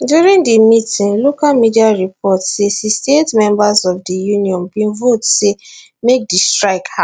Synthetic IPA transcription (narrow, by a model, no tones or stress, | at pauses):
djuɾĩŋdimitĩnlokalmidiaɹipʰɔtsesistetmɛ̃mbasɔfdijunĩɔ̃nbĩnvotse | mek̚distɹaɪkha